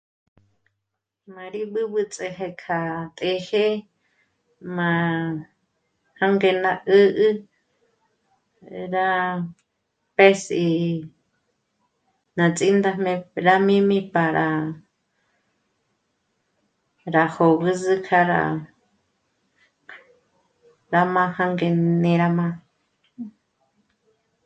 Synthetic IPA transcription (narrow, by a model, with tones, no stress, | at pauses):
mã˧ɾi˦ɓɨ˦ɓɨ˧t͡sʼe˧ɦe˧kʰa˧t̪ʼe˧he˦ | mã˧˨ | hã˦ŋɡe˧nã˧ʔə˦ʔɨ˦ | ɾa˦ | pe˦si˧ | nã˨t͡sʼi˦nd̪a˧mẽ˧ɾa˦mĩ˦mĩ˦pa˨ɾʔa˨ | ɾa˨ho˨ɣɨ˦zɨ˦kʰa˧ɾa̰˧ | ɾa˧mã˦ha˦ŋɡe˧nẽ˧ɾa˧mã˧